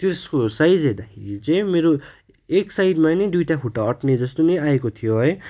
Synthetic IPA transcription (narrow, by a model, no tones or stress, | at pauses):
t̪eskosajd͡zed̪akʰit͡semeɾo | eksaid̪mãned̪ujʈaɦʰuʈaʌʈned͡zʌst̪oneaekot̪ʰijoɦʌj